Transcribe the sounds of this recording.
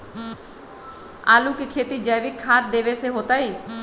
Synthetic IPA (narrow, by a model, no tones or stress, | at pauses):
a̰lukikʰet̪id͡ʒəjʋɪkʰːaːt̪̚d̪eʋeseɦot̪ai